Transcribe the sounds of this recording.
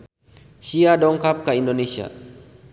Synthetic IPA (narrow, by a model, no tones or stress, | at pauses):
siadɔŋkap̚kaindonesia̰